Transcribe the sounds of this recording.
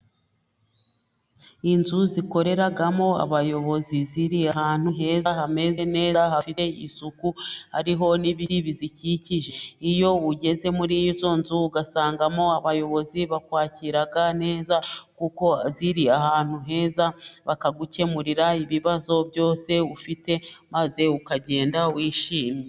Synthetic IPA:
inzuziko̞ɾe̞ɾaɡamo̞a̰βajo̞βo̞ziziɾiahaːn̥huɦe̞ːzahame̞zene̞ːzaɦafite̞ḭsukuhaɾiɦo̞niβiiβiziciciʒe̞ijo̞uɟe̞ze̞muɾijizo̞ːnzuuɡasaːŋɡamo̞aβajo̞βo̞ziβakwaːciɾaɡane̞ːzakuko̞ziɾiaɦaːn̥huɦe̞ːzaβakaɡuce̞muɾiɾaiβiβazo̞bɟo̞ːse̞ufite̞maze̞ukaɟe̞ːndawiːʃiːmɲe

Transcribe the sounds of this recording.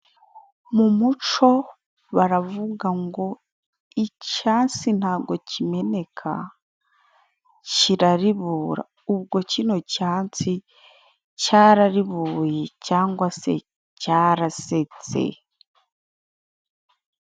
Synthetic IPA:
mumut͡ʃo̞ | βaɾavuɡaŋɡo̞ | icaːnt͡sin̥haːɡo̞cime̞ne̞kʰa̰ | ciɾaɾiβuːɾa̰ | uβɡo̞cino̞caːnt͡si | caːɾaɾiβuːjecaːŋɡwase̞̰ | caːɾase̞t͡se̞̰

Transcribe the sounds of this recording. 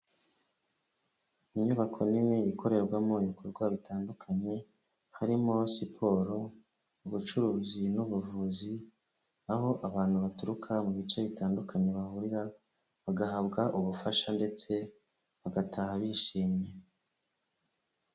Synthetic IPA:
imɲuβakʰo̞niweikʰo̞ɾe̞ɾɡwamo̞iβikʰo̞ɾɡwaβitʰaːndukʰaɲe̞ | haɾimo̞sipʰo̞ɾo̞ | uβut͡ʃuɾuːzinuβuvuːzi | aɦo̞ʔaβaːn̥huβatuɾukʰamuβit͡ʃe̞βitaːndukʰaɲe̞βahuɾiɾa | βaɡaɦabɡaʔuβufaʃande̞t͡se̞ | βaɡatʰahaβiʃiːmɲe̞

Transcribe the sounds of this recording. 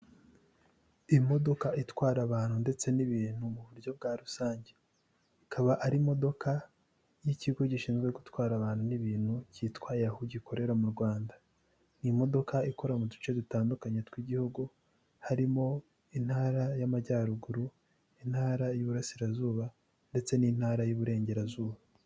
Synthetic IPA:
imo̞do̞kaʔitwaːɾaβaːn̥hunde̞t͡se̞niβiːn̥humuβuɾɟo̞b̚ɡaːɾusaːɲɟe̞ | ikʰaβaʔaɾimo̞do̞kʰa | jiciɡo̞ɟiʃiːnzɡwe̞ɡutwaːɾaβaːn̥huniβiːn̥hucitwaːjahuɟiko̞ɾe̞ɾamuɾɡwaːnda | nimo̞do̞kaiko̞ɾamudut͡ʃe̞dutaːndukaɲetwiɟihuɡu | haɾimo̞ | in̥haːɾajamaɟaːɾuɡuɾu | in̥haːɾajuβuɾasiɾazuːβa | nde̞t͡se̞nin̥haːɾajuβuɾe̞ːɲɟe̞ɾazuːβa

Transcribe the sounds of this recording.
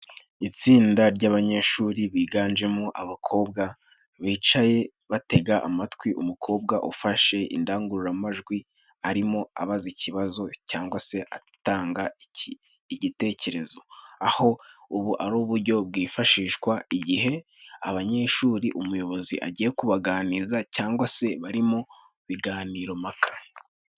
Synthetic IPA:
it͡siːndaɾɟaːβaɲe̞ʃuːɾiβiːɡaːnd͡ʒe̞muʔaβakʰo̞ːbɡa | βiːt͡ʃaje̞ | βate̞ɡaʔa̰matkwiʔumukʰo̞ːbɡaʔṵfaʃe̞ḭndaːŋɡuɾuɾamaʒɡwi | aɾimo̞a̰βazicʰiβazo̞caːŋɡwase̞ʔa̰ | taːŋɡa | iɟite̞ːce̞ɾe̞zo̞aho̞uβuʔaɾuːβuɾɟo̞b̚ɡiːfaʃiːʃkwaiɟiɦe̞ | aβaɲe̞ːʃuːɾiʔumujo̞βo̞ziʔa̰ɟije̞kuβaɡaːnizacaːŋɡwase̞βaɾimo̞ | βiɡaːniːɾo̞makʰḁ

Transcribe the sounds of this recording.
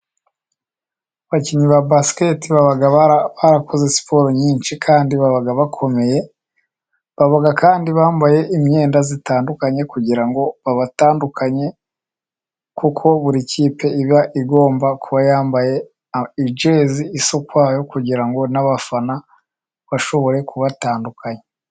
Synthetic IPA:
βaciɲiβabasi̥ke̞tiβaβaɡaβaɾakozesi̥pʰo̞ɾoɲiːnʃikʰaːndiβaβaɡaβakʰo̞me̞je̞ | βaβaɡakaːndiβaːmbaje̞ʔimɲe̞ːndazitaːndukaɲe̞kuɟiɾaŋɡo̞βaβataːndukʰaɲe̞ | kukʰo̞βuɾiciːpe̞iβjaʔiɡo̞ːmbakʰuβajaːmbaje̞ | id͡ʒe̞ːziːsokwaːjo̞kuɟiɾaŋɡo̞naβafana | βaʃo̞βo̞ɾe̞kuβataːndukʰaɲe

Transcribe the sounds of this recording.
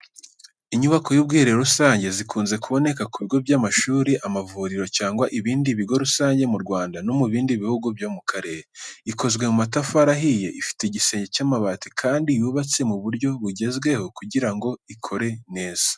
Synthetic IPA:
iɲuβako̞jub̚ɡiːɾeɾusaːɲɟe̞zikʰuːnze̞kuβo̞ne̞kakuβiɡo̞bjamaʃuːɾiʔamavuɾiɾo̞caːŋɡwaʔiβiːndiβiɡo̞ɾusaːɲɟe̞muɾɡwaːndano̞muβiːndiβihuɡubjomukʰaɾe̞ɾeiko̞zɡwe̞mumatafaɾaɦije̞ʔifi̥te̞ɟise̞ːɲɟe̞camaβaːti̥kʰaːndijuːβat͡se̞muβuɾɟo̞βuɟe̞zɡwe̞ho̞kuɟiɾaŋɡo̞ikʰo̞ɾe̞ne̞ːz̥ḁ

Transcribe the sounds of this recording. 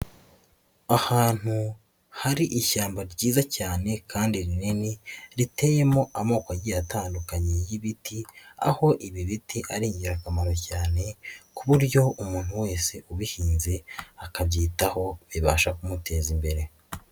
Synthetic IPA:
ahaːn̥hu | haɾiʔiʃaːmbaɾɟiːzacaːne̞kʰaːndiɾineniɾite̞je̞mo̞ʔamo̞ːkaɟijataːndukaɲejiβitia̰ho̞ʔiβiβitiʔaɾiːɲɟiɾakamaɾocaːne̞kuβuɾɟo̞ʔumuːn̥huwe̞ːse̞ʔuβihiːnze̞akabɟiːtaho̞βiβaːʃakumutʰe̞ːzimbe̞ɾe̞

